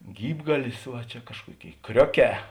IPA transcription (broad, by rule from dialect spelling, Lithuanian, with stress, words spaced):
ˈɡʲiːbɡɐlʲɪs ˈʋɐ t͡ʃʲɛ ˈkɑːʃkuɔˌkʲeːɪ ˈkrʲoːˌkʲɛː